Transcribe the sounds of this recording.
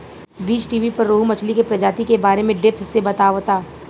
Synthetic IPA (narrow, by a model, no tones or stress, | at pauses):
biːt͡ʃʈiːʋipɐɾːoːɦumɐt͡ʃʰlikepɾɐd͡ʒaːt̪ikebaːɾemẽɖɪp̪sebɐt̪aːʋt̪aː